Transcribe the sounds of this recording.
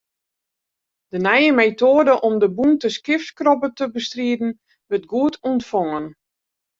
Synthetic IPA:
d̥ənɛjəmeːtoːdəʔɔmdəbuntəskɪftkrɔpətəbəstriədn̩ | ʋət̚ɡuətʰuntfoŋən

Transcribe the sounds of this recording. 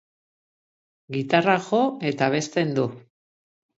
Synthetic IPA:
ɡit̪araxo̞e̞t̪aβ̞e̞st̪e̞nd̪u

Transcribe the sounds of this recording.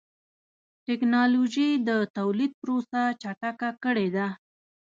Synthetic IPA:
ʈɪknɑloʒid̪ət̪awlid̪̚pɾosat͡ʃaʈakakəɽed̪a

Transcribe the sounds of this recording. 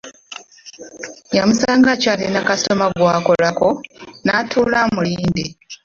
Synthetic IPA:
jamusaːŋɡacalenakasto̞maɡwako̞lako̞natʰuːlamuliːnde

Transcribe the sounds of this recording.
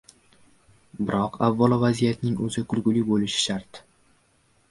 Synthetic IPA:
bɪɾɒqʰavːɒlˠvazijat̪nɪŋɵzɪkʰʊlɡʊlɪbolɪʃɪ̥ʃaɾt̪

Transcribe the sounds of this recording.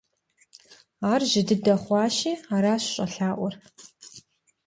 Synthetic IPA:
aːrʒɪdɨdɐχʷɑːɕiːaːɾaːɕɕʼɐɬaːʔʷɔr

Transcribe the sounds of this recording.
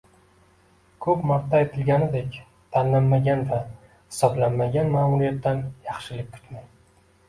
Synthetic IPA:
kʰɵpmaɾt̪ʰːaet̪ʰɪlɡʲanɪd̪ekʲ | t̪ʰanlanmaɡʲanva | hɪ̥sɒblanmaɡʲanmaːmuɾijat̪ːanjɑχʃɪlɪp̚ʲkʰʊ̥t̪ma

